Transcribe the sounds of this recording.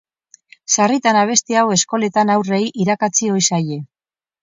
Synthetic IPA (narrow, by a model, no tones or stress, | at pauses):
sarit̪anaβ̞e̞st̪iawe̞sko̞le̞t̪anawre̞jʔiɾakat͡sio̞jsaje̞